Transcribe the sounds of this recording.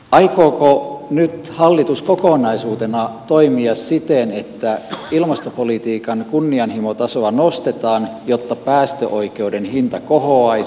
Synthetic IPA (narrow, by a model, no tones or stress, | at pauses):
ʔɑikoːkonyt̪hɑlːit̪uskokoˑnɑisuːt̪enɑt̪oimiɑssit̪enet̪ːæilmɑst̪opolit̪iːkɑnkunːiɑnhimot̪ɑsoɑnost̪et̪ɑːnjot̪ːɑpæːst̪øʔoike̞udenhint̪ɑkoɦoɑi